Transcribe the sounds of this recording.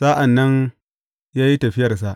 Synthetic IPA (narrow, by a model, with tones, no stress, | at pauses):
saː˦ʔa˨nːɐ˦n | jaː˦ji˦tɐ˨ɸɪ˦jɐ˨rs̬a˨ʔ